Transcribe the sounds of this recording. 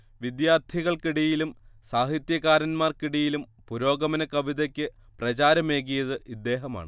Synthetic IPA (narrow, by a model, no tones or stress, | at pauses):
ʋid̪jaːrt̪ʰiɣɐɭkiɽijilumsaːɦit̪jɐɣaːɾɐnmaːrkiɽijilumpuɾo̞ːɡɐmɐnɐkɐʋiðɐkʲːɨ | prɐt͡ɕaːɾɐme̞ːɣ̬ijɐðɨʔid̪ːe̞ːɦɐma̰ːɳɨ